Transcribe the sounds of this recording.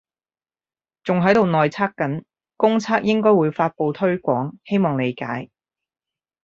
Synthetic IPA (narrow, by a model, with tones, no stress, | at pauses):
t͡sʊ˨ŋɦɐ˨˥jt̪o˨wnɔː˨jt͡sʰaː˥kːɐ˨˥n | kʊ˥ŋt͡sʰaː˥k̚jɪ˥ŋkɔː˥jwuː˨˧jfaː˧t̚po˨˧wt̪ʰɵ˥ɥkʷɔː˨˥ŋhe˥jmɔː˨ŋle˨˧jka̰ː˨˥j